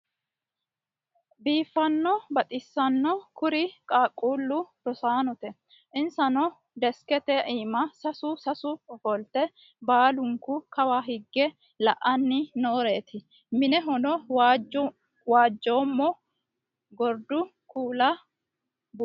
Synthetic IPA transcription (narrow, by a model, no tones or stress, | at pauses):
biːfːɐnːɔbɐt̪ʼɪsːɐnːɔkʊɾɪkʼaːkʼːuːlːʊd̪̥ɔsaːnɔt̪ɛ | ʔɪnsɐnɔ | d̪ɛskɛt̪ɛʔiːmɐsɐsʊsɐsʊɔfɔlt̪ːɛ | baːlʊŋkʊkɐwaːɦɪɡːɛ | lɐʔɐnːɪnoːɾe̞ːt̪ɪ | mɪnɛɦɔnɔ | waːd͡ʒːoːmːɔ | ɡɔɾd̪ʊ | kʰuːlɐ | b